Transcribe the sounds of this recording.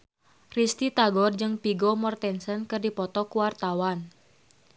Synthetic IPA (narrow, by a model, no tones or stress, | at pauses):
rist̪it̪aɡɔrd͡ʒɨŋpiɡɔmɔrt̪ɛnsənkɨrdipɔt̪ɔkuwart̪awan